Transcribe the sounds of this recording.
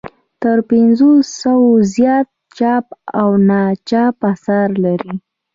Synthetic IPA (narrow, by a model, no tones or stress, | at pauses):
t̪əɾpɪnzosawozjɑt̪̚t͡ʃɑpawnɑt͡ʃɑpasaɾlaɾi